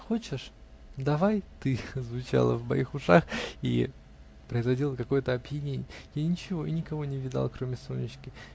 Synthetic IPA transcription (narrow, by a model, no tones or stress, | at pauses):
xo̞t͡ɕɪʂ | d̪ɐvajt̪ɨzvʊt͡ɕa̰lˠə̰vbɐ̰ixʊʂaxḭ | pɾəɪzvɐdʲilˠəkɐko̞jət̪əɐbjɪnʲenʲɪjəjanʲɪt͡ɕɪvo̞inʲɪkɐvo̞nʲɪvʲɪd̪a̰lˠkɾo̞mʲɪsonʲːɪɕkʲɪ